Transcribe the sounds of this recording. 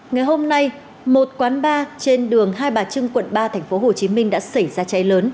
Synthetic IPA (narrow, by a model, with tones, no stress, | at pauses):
ŋa˨˩jɦo˧mna˧j | mo˨˩t̚kwaː˨˦nɓaː˧t͡ɕe˧nɗɨ˨˩əŋɦaː˧jɓaː˨˩t͡ɕɨ˧ŋkwə̰˧˨nɓaː˧t̪ʰɛ˨˩jŋ̟fo˨˦ɦo˨˩t͡ɕi˨˦mï˧ŋ̟ɗa̰ː˧˥sa˧˩jzaː˧t͡ɕa˨˦jləː˨˦n